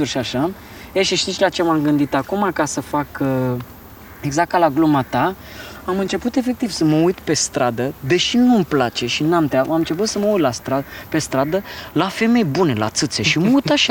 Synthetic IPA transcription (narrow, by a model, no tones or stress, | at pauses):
urʃiaʃa | eʃiʃt̪it̪sʲlat͡ʃemamɡɨnd̪it̪akumakasəfak | eɡzak̚t̪alaɡlumat̪a | amɨnt͡ʃe̞put̪e̞fe̞k̚t̪iv̥səməujt̪pe̞st̪ɾad̪əd̪e̞ʃinumplat͡ʃe̞ʃinamt̪eaamɨnt͡ʃe̞p̬ut̪səməujt̪last̪ɾape̞st̪ɾad̪əlafe̞me̞jbune̞la̰t̪sɨt̪se̞ʃiməujt̪aʃa